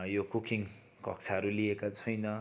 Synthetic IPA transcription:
jokukiŋ | kʌk̚t͡sʰaɦʌɾuliekat͡sʰʌjnʌ

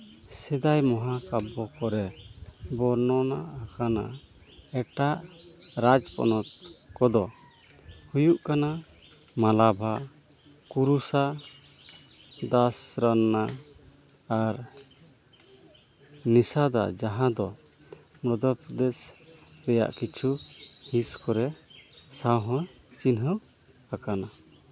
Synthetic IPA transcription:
sɛd̪ajmɔɦakabɔkɔɾɛbɔɾnɔnaʔakana | ɛʈaʔɾad͡ʒpɔ̰nɔt̪̚kɔd̪ɔ | hujuʔkana | malabʱa | kuɾusa | d̪asɾanːaː | ɾ | nisad̪a̰d͡ʒaɦãd̪ɔ | mɾɔd̪ɔpɾɔd̪espɛja̰ʔkit͡ʃʰuhiskɔɾɛsawɦɔ̃ | t͡ʃinɦɔ | akana

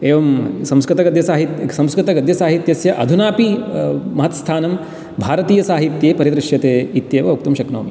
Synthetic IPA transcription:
eːʋɐmsɐ̃mskɾɨt̪ɐɡɐd̪jɐsaːɦit̪jsɐ̃mskɾɪt̪ɐɡɐd̪ʱjɐsaːɦit̪jɐsjɐʔɐd̪ʱunaːpimɐɦɐt̪st̪ʰaːnɐm | bʱaːɾɐt̪iːjɐsaːɦit̪jeːpɐɾjɐt̪ɾɪʃjɐt̪eːit̪jeːʋɐuk̚t̪umʃɐkno̰ːmi

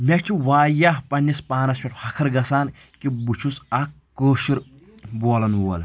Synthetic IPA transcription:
mʲɐʈʰiwaːjaːhpɐnʲːispaːnɐst͡ʃʰʲɐʈʰhɐkʰɐɾɡɐsaːn | kibut͡ʃʰusɐk | kːəːʃiɾ | boːlɐnwoːl

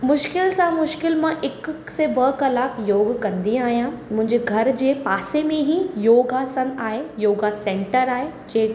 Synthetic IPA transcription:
mʊʃkɪlsãmʊʃkɪlmãʔɪk | sebɐkɐlaːkjoːɡkɐ̃nd̪iaːɦijãmʊ̃ɦɪ̃ɲd͡ʑeɡʱɐɾd͡ʑeːpaːsemẽɦijoːɡasɐ̃naːɦejoːɡasɛ̃ːɳʈəɾaːɦe | d͡ʑeː

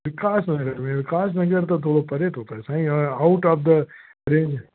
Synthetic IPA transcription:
ʋɪkaːsnɐɡəɾmẽʋɪkaːsnɐɡəɾt̪ot̪ʰoːɽopɐɾet̪ɦoːt̪oɦɛsaːɦĩaʊʈɔːfd̪ə | ɾẽːnd͡ʒ

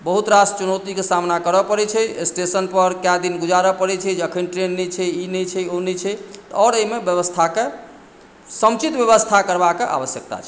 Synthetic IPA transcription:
bəɦut̪ɾast͡ʃunɔwt̪ikesamnakəɾəpəɾɛt͡ʃʰɛesʈesənpəɾkjad̪inɡud͡ʒaɾəpəɾɛt͡ʃʰɛd͡ʒəkʰənʈɾenːɛt͡ʃʰɛinɛt͡ʃʰɛonɛt͡ʃʰɛt̪ɔɾəimebjəβəst̪ʰake | səmt͡ʃit̪bjəβəst̪ʰakəɾbakeʔa̰bəsjək̚t̪a̰t͡ʃʰɛ

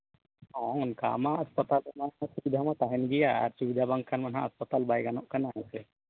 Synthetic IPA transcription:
ãnka̰maəspət̪almaãsubid̪ʱamat̪aɦɛnɡijaa̰ɾsubid̪ʱabaŋɡkʰanmɐnɦã̰ːspət̪albajɡanɔʔkanaɦɛ̃sɛ

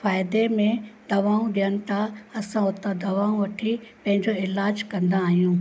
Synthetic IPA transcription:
faːɪd̪emẽd̪ɐʋaːũɗijənɪ̆t̪ʰaɐsãʊt̪ad̪ɐʋaːũʋɐʈʰipɐ̃ɦɪ̃ɲd͡ʑoɪlaːd͡ʑkɐ̃nd̪aːɦijũː

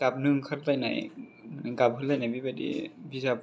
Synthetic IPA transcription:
kap̚nɯŋkʰaɾtajna̰jnaŋkap̚ɦɯlajnajbibatdḭbisap̚

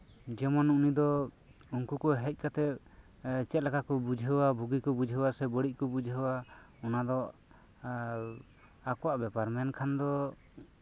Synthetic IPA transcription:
d͡ʒɛmɔnunid̪ɔ | uŋkukɔɦɛc̚kat̪ɛ | t͡ʃɛt̪̚lakakɔbud͡ʒʱɦəwabʱuɡikɔbud͡ʒʱɦəwasɛbəɽic̚kɔbud͡ʒʱɦəwaɔnad̪ɔ | akɔwaʔbɛpaɾmɛnkʰand̪ɔ

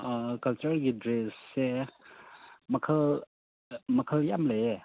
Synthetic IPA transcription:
kɐlt͡ʃɐɾɡidɾesːe | mɐkʰəl | mɐkʰəljamlee

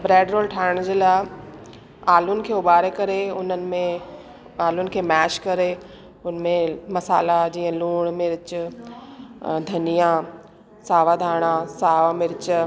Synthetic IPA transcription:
bɾɛːɖɾoːlʈʰaːɪɽ̃d͡ʑiːlaː | aːlʊnɪ̆kʰeːʊɓaːɾekɐɾeʊnənɪ̆mẽ | aːlʊnɪ̆kʰeːmɛːʃkɐɾe | ʊnmẽmɐsaːlad͡ʑiːə̃luːɽ̃mɪɾɪt͡ɕʊ | d̪ʱɐnijã | saːʋad̪ʱaːɽ̃ãsaːʋamɪɾɪt͡ɕ

